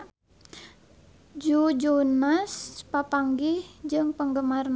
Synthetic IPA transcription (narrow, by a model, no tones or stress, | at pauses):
d͡ʒud͡ʒonaspapaŋɡɪhd͡ʒɨŋpəŋɡəmarn